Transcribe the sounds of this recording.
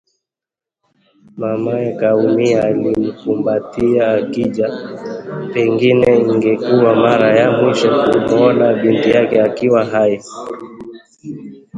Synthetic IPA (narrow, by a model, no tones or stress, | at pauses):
mamaɛkaumiaːlim̩kumbatiaːkiʄa | pɛŋɡinɛiŋɡɛkuwamaɾajamuʃɛkumɔnaɓintijakɛakiwaɦaji